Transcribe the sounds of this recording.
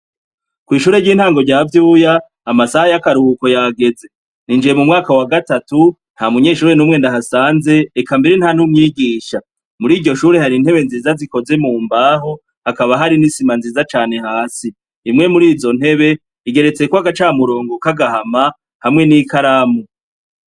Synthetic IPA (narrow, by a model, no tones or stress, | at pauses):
kwiːʃuːɾeɾɟiːnhaːŋɡo̞ɾɟaːvjuːjaː | masahajakaɾuːko̞jaɡe̞ze̞ | nind͡ʒijemumŋaːkawaɡatatu | n̥hamuɲe̞ːʃuːɾenuːmŋe̞ndaɦasaːnze̞ːkambiɾenhanumɲiːɡiːʃa | muɾiːɟo̞ʃuːɾe̞haɾin̥he̞βe̞nziːzaziko̞ze̞muːmbaːɦo̞ | akaβaɦaɾinisimanziːzat͡ʃaːne̞haːsiː | mŋe̞muɾiːzo̞n̥he̞βe̞ | iɡe̞ɾe̞t͡se̞koaɡat͡ʃaːmuɾo̞ːŋɡokaɡahama | hamŋe̞niːkʰaɾamu